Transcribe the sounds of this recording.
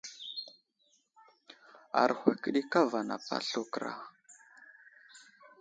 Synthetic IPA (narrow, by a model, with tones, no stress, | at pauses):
a̰˨ɾxʷa˨kə˦ɗi˦ka˦va˨na˨pa̰˦ɬu˦kɾa̰˨